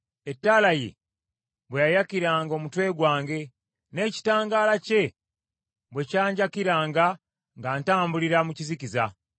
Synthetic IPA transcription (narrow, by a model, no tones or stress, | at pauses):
e̞tːalaje̞̰ | βwejajakiɾaːŋɡo̞ːmutwe̞ːɡwaːŋɡe̞ | ne̞ːci̥taːŋɡaːlace̞ | βwe̞caːɲɟakiɾaːŋɡa | ŋɡaːntaːmbuliɾamucizikiza